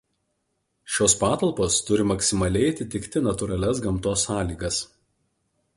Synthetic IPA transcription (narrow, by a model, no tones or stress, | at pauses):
ʃʲoːspɑːt̪ɐlˠpoːst̪ʊɾʲɪmɐksʲɪmɐlʲɛɪɐt̪ʲɪt̪ʲɪkt̪ʲɪnɐt̪ʊɾɐlʲɛsɡɐmt̪oːsːɑːlʲiːɡɐs